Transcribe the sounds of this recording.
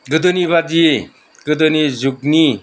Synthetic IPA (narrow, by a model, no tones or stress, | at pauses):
ɡɯd̪ɯnibad̪i | ɡɯd̪ɯnizukni